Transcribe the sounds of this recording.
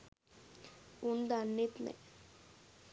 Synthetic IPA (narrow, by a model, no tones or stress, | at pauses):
ʊnd̪anːit̪mḛ̃